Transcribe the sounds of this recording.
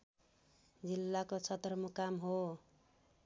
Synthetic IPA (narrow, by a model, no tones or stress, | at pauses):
d͡zilːakot͡sʰʌt̪rʌmukamɦo